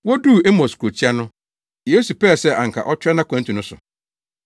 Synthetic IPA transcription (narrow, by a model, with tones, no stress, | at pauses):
wɔ˦du˦˨e˦mɔ̃˨skʰo˨t͡ɕʰi˦a˦nʊ̃˦ | je˨˦su˨pʰɛː˦˨sɛ˦˨ʔã˨ŋ̩˨kʰa̰˨ʔɔ˦t͡ɕʰᶣɾɛ˦nã˦kʷʰã˨˦n˦tʰũ˨nʊ̃˦sʊ˨